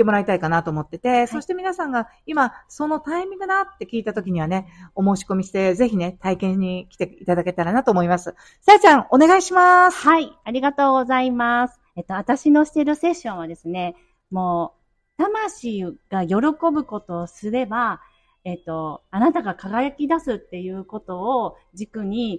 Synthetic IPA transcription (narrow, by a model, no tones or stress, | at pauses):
emo̞ɾait̪aikanat̪o̞ːmo̞t̪ːe̞t̪e̞so̞ɕi̥t̪e̞mʲinasãŋɡa | imaso̞no̞t̪aemʲĩd̪ɡ̪anat̪ːe̞kʲiːt̪at̪o̞kʲiɲ̟iβane̞o̞mo̞ːɕi̥ko̞mʲiɕi̥t̪e̞ze̞çine̞t̪aikẽ̞ɲ̟ːikʲi̥t̪e̞it̪ad̪ake̞t̪aɾanat̪o̞ːmo̞imasɨ | sat͡ɕãŋ̃o̞neɡaiɕimasaiaɾʲiɡat̪o̞ːɡo̞zaimasɨ̥et̪ːo̞βat̪aɕino̞ɕi̥t̪e̞ɾɯ̟se̞ɕːõ̞ɰ̃β̞ad̪e̞sɨne̞ | mo̞ː | t̪amaɕiɡ̥ajo̞ɾo̞ko̞bɯ̟ko̞t̪o̞ːsɨɾe̞ba | e̞t̪ːo̞anat̪aɡakaɡajakʲid̪asɨt̪ːe̞jɯ̟ːko̞t̪o̞ː | d͡ʑikɯ̟ɲ̟i